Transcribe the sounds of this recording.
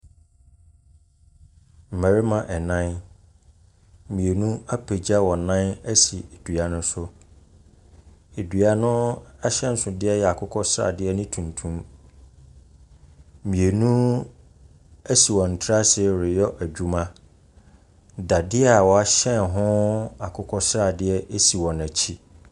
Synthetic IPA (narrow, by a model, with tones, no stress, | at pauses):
m̩˨mæ˨ɾi˦mã˨ʔɛ˨nã˦n˦ | mĩ˨e˨nũ˦a˦pʰe˨d͡ʑa˦wɔ˨nã˦næ˦si˨e˨dɥa˨nʊ̃˦sʊ˦ | e˨dɥa˨nʊ̃˦a˦ɕɛ̃˦n̩˦sʊ˨dɪ˦ɛ˦jɛ˨a˨kʰʊ˦kʰɔ˦sɾa̰˨dɪ˦ɛ˦nĩ˦tʰũ˨ntʰũ˦m | mĩ˨e˨nũ˦ | æ˦si˨wɔ̃˨n̩˨tʰɾa˦sɾɪ˨jɔ˦ʔæ˨d͡ʑᶣu˦mã˦ | da˨dɪ˦ɛ˦a˨wɔ˨a˦ɕɛ̃˦˨nɦʊ̃˦a˨kʰʊ˦kʰɔ˦sɾa˦˨dɪ˦ɛ˦ʔe˦si˨wɔ̃˨næ˨t͡ɕʰi˦